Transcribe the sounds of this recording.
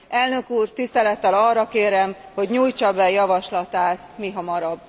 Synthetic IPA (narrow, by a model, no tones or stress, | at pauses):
ʔɛlnø̞kuːrt̪ist̪ɛlɛt̪ːɛlɒrːɒkeːɾɛmho̞ɟɲuːjt͡ʃɒbɛjɒvɒʃlɒt̪aːt̪miɦɒmɒɾɒbː